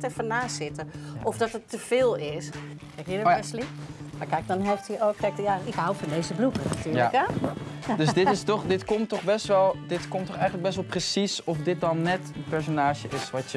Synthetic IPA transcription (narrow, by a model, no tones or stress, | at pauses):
tɛrfənaːsɪtəɔfdɔtətːəv̥ɪːlˠɪs | kɛkjədɛslimaɹkɛjk̚dɔnɦɛlˠftiokːɛjk̚jaɪkɦawfɔndeːzəblukənatʰyːjaək | døsdɪtɪstɔχdɪtkɔmtːɔxbɛstʋɛlˠdɪtkɔmtːɔχɛjənləɡbɛstʋɛlˠprəsisɔfdɪt̚dɔnːɛtənpɛɹs̬onaːʒjəɪsʋɔtjə